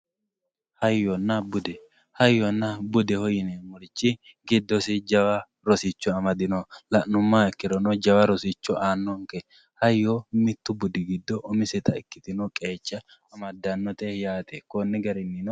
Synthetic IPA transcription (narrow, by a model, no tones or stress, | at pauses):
hɐjːɔnːɐbʊd̪ɛ | hɐjːɔnːɐbʊd̪ɛhɔjɪnemɔlɪt͡ʃːɪ | ɡɪd̪ːɔsɪd͡ʒɐwɐ | ɾɔsɪt͡ʃːɔɐmɐd̪ɪnɔlɐʔːʊmːaɪkːɪɾɔnɔd͡ʒɐwɐɾɔsit͡ʃːɔʔaːnːɔŋkɛ | hɐjːɔmɪt̪ːʊbʊd̪ɪɡɪd̪ːɔʔːmɪsɛt̪ɐɪkːɪ̥t̪ɪnɔkʼe̞ːt͡ʃːɐ | ɐmɐd̪ːɐnːɔt̪ɛjaːt̪ekɔnːɪɡɐɾɪnːɪnɔ